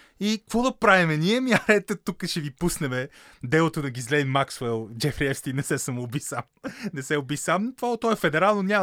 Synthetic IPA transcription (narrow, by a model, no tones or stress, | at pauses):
ikvɔd̪ɐpɾavimɛniɛmiɐɾɛt̪ət̪ukəʃɛvipusnɛmɛ | d̪ɛlˠot̪onɐɡizlɛjnmakswɛlˠd͡ʒɛfɾiɛfst̪inɛsɛsɐmoːbisamnɛsɛʊbisamt̪vat̪ɔɛfɛd̪ɛɾalˠnonʲa